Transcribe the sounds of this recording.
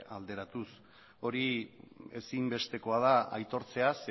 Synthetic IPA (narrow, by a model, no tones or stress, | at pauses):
ald̪e̞ɾat̪us | o̞ɾie̞simbe̞st̪e̞ko̞að̞aa̰jt̪o̞ɾt͡se̞as